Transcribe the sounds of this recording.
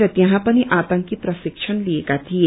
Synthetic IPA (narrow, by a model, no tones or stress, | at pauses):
ɾət̪jɐɦãpəniʔaːt̪ə̃ŋkipɾəsikʃʰənliekat̪ʰije